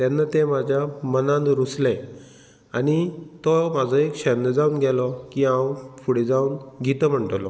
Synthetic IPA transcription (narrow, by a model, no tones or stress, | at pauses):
t̪ɛnːat̪ẽmad͡ʑʱjamənãnd̪ɾuslɛ̃ | aɽ̃it̪ɔmad͡zʱɔekɕɛnd̪əd͡zauːnɡʱɛlɔkiːãwfuɽed͡zauːnɡʱit̪əm̤əɳʈəlɔ